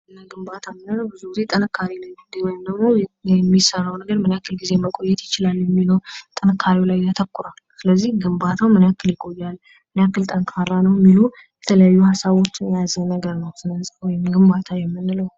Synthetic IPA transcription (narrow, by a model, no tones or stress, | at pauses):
ɨnːaɡɨmbat̪ʰamːɨnːɨləwbɨzuɡɨzet̪ʼɨnɨkʰːaɾilajd̪ɨand̪əɡmo̞ɛmːisərːawnəɡəɾmɨnjakːɨlɡize̞jməkʼo̞jːɛt̪jɪt͡ʃɪlaljɛmːiloɾt̪ʼɨnɨkʰːaɾiwlajjat̪ʰəkːuɾalsɨləzːihɡɨmbat̪ʰawmɨnjakʰːɨljɪɡʼo̞jːal | mɨnjakːɨlt̪ʼəŋkʼʰarːanəwjmːilu | jɛt̪ʰələjajːuhasaβo̞t͡ʃːɨnjjazənəɡəɾnəwsɨnəsʼwɔjɪmɡɨmbat̪ʰajɛmːɨnːɨləw